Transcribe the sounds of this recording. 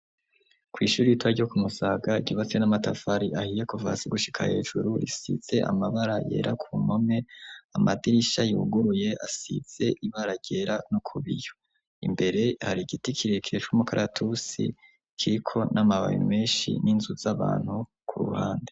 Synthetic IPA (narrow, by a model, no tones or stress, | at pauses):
kwiːʃuːɾijitwaɾokumusaɡaɟuːβat͡senamatafaɾiʔahijekova̰siɡuʃi̥kʰahe̞ːʒuɾuɾḭsḭz̥e̞ʔa̰maβaɾaje̞̰ːɾʔakʰumo̞me̞amadiɾiʃajuːɡuɾuje̞ʔasḭz̥e̞ʔiβaɾaɟe̞ɾanokʰuβijo | imbe̞ɾe̞haɾiɡitikʰiɾekiet͡ʃumukʰaɾʔatʰusḭ | kʰiɾikʰo̞namaβa̰jḭme̞ːʃḭninzuzaβa̰ːn̥hu | kʰuɾṵha̰ːnde